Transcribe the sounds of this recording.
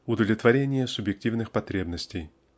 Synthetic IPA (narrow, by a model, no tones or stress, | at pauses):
ʊd̪əlʲɪt̪vɐɾʲenʲɪjəsʊbjɪk̚tʲivnɨxpɐt̪ɾʲebnəsʲtʲɪj